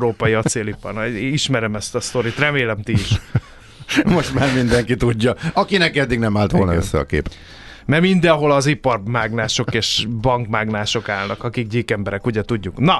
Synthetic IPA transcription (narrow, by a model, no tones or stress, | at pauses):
ɾoːpɒjiɒt̪seːlipɒ̰riʃmɛɾɛmɛst̪ɒst̪o̞ɾit̪rɛmeːlɛmt̪iiʃ | mo̞ʃt̪maːrmind̪ɛŋkit̪uɟːɒɒkinɛkɛd̪ːiɡnɛmaːlt̪ʋo̞lnɒøsːɛɒ̰kḛːpɛ | mɛmind̪ɛnɦo̞lɒzipɒrmaːɡnaːʃo̞keːʃbɒŋkmaːɡnaːʃo̞kaːlnɒkɒkiɡɟiːkɛmbɛɾɛkuɟɛt̪uɟːuknɒ